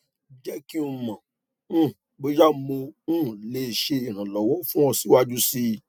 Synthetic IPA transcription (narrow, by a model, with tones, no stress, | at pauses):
d͡ʒɛ˦ki˦u˧mã˨˦˨ | bo˧d͡ʒa˦mo˧ũ˦˨le˨ʃe˧i˨ɾ̃ã˨lɔ˨wɔ˨˦fũ˦ɔ̃˧si˨˦wa˦d͡ʒu˦si˧